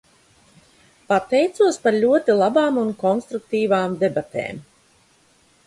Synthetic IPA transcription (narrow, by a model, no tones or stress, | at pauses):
pat̪ɛjt̪suɔspaɾlʲuɔt̪ilˠabaːmunkɔnst̪ɾuk̚t̪iːvaːmd̪ebat̪ḛːm